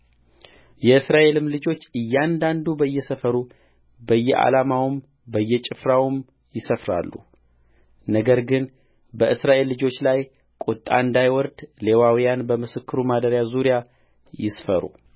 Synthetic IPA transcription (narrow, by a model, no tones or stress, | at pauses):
jɛɨsɾaʔe̞lɨmlɨd͡ʒo̞t͡ʃːɨjːand̪and̪ubəjːɛsəfəɾu | bəjːɛʔa̰lamawm | bəjːɛt͡ʃʼɪfɾawɨm | jɪsəfɾa̰lːu | nəɡəɾɡɨn | bəʔɨsɾaʔe̞lːɨd͡ʒo̞t͡ʃːlaj | kʼut̪ʼːa̰nd̪ajwɔɾd̪le̞wawijanbəmɨsɨkːɨɾumad̪əɾjazuɾija | jɪsfəɾṵ